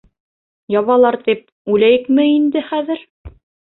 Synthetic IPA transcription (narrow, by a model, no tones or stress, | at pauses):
jɑβɑlˠɑɾt̪ip̚ | ʉlæjɘkmɘind̪ɘχæðɘɾ